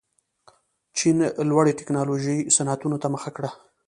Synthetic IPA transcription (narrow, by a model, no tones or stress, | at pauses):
t͡ʃinlwaɽet̪ɪknɑloʒəjsanat̪unot̪aməxakɽa